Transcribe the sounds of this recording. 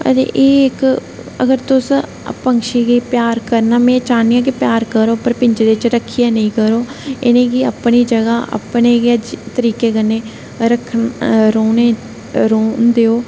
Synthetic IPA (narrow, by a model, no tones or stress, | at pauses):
ə̰dḛʔeːɪk | ə̰ɡəɾt̪ʊs | pəŋkʃeːɡiːpjaːɾkəɾnaːmɛ̃ːt͡ʃaːnijãːk̬ipjaːɾkəɾoːpəɾpɪɲd͡ʒd̪et͡ʃɾəkʰːijãːnəĩːkəɾoːɪ̰nẽːkɪəpniːd͡ʒəɡaːʔə̰pneːɡəd͡ʒt̪əɾiːkeːkənːeː | ɾəkʰɾoːneː | ɾoːnd̪eːoː